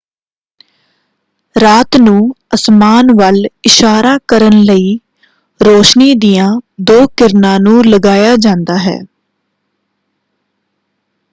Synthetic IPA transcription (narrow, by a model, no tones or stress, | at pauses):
ɾaːt̪nũːəsmaːnʋəlɪʃaːɾaːkəɾənləiː | ɾoːʃniːd̪ijãːd̪oːkɪɾnãːnũːləɡaːjaːd͡ʒãːnd̪aːɦɛ̰ː